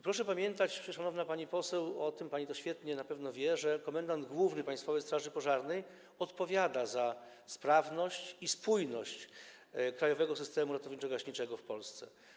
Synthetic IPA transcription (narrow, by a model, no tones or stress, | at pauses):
pɾɔʂɛpamʲjɛnt̪at͡ɕpʂɛʂanɔvnapaɲipɔsɛwɔt̪ɘmpaɲit̪ɔɕfʲjɛt̪ɲɛnapɛvnɔvʲjɛʐɛkɔmɛnd̪and̪ɡwuvnɘpaj̃st̪fɔvɛjst̪ɾaʐɘpɔʐaɾnɛj | ɔt̪pɔvʲjad̪aza | spɾavnɔɕt͡ɕispujnɔɕt͡ɕ | kɾajɔvɛɡɔsɘst̪ɛmuɾat̪ɔvɲit͡ʂɛɡaɕɲit͡ʂɛɡɔfpɔlst̪sɛ̰